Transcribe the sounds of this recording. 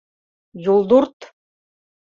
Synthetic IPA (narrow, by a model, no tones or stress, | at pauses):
julˠd̪uɾt̪